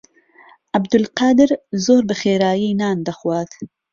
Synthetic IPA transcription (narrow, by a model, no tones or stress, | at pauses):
ʔabd̪ʊlqɑːd̪ɨɾzoːɾbɨxeːɾaːjiːnɑːnd̪axwɑːt̪